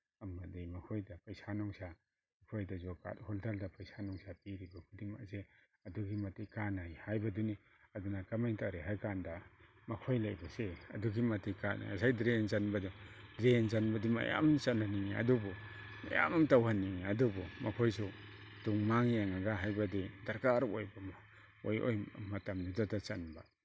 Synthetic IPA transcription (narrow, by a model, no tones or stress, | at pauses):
ɐmɐdimɐkʰojdapɐjsanɔŋsa | mɐkʰojdazɔka̰t̚hɔltʰaldapɐjsanɔŋsapiɾibakʰudima̰kse | ɐduɡimɐtikanajhajbɐduni | ɐdunakɐmajŋtʰaɾeɦajkanda | mɐkʰojlajbaseɐ̰duɡimatikana̰ja̰sajdɾenzanbadidɾenzanbadima̰ja̰mt͡ʃananiŋiɐ̰dubu | ma̰ja̰mamtawhaniŋiadubumakʰojsuduŋmaŋjaŋaɡaɦajbadidaɾkaɾojbam | ojʔo̰jmatamnidatat͡ʃanba